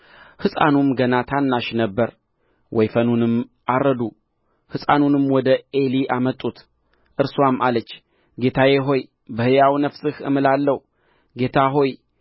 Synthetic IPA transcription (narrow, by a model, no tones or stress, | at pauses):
hɨsʼa̰numɡənat̪ʰanːaʃnəbːəɾ | wʔɔjfənunɨmʔarːəd̪u | hɨsʼanunɨmwɔd̪əeliʔamət̪ʼːut̪ | ʔɨɾswamalət͡ʃː | ɡe̞t̪ʰajeɦo̞j | bəhɨjawnəfsɨhɨ̰mɨlalːəh | ɡe̞t̪ʰaɦo̞j